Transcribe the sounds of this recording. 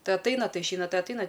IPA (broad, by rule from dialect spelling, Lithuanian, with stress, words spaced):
ˈtɐɪ ɐtˈɐɪnɐ ˈtɐɪ ɪʃʲˈɛɪnɐ ˈtɐɪ ɐtˈɐɪnɐ